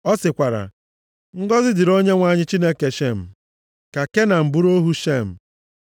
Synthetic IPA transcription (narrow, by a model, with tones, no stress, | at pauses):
ɔ˦sɪ˨kʷa˨ɾa̰˨ | ŋ̩˦ɡɔ˦zɪ˦dɪ˨ɾo˦ɲe˦ŋʷa˦˨ɲɪ˦t͡ʃi˦ne˦ke˨ʃe˦˨m̩˨ | ka˨ke˦na˨m̩˨bu˦ɾo˦ɦu˦ʃe˦˨m̩˨